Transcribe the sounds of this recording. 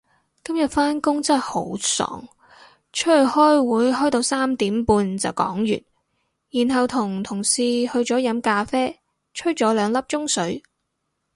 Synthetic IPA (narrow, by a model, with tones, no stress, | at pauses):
kɐ˥mjɐ˨t̚faː˥nkʊ˥ŋt͡sɐ˥ho˨˥wsɔ̰ː˨˩ŋ | t͡ʃʰɵ˥˨˩hɔː˥jwuː˨˧jɦɔː˥jt̪o˧wsaː˥mt̪iː˨˥mpuː˧nt͡sɐ˨wkɔ̰ː˨˥ŋjy̰ː˨˩n̚ | jiː˨˩nɦɐ˨wt̪ʰʊ˨˩ŋt̪ʰʊ˨˩ŋsiː˨hɵ˧ɥt͡sɔː˨˥jɐ˨˥mkaː˧fɛː˥ | t͡ʃʰɵ˥t͡ʃɔː˨˥lœː˨˧ŋlɐ˥p̚t͡ʃʊ˥ŋsɵ˨˥ɥ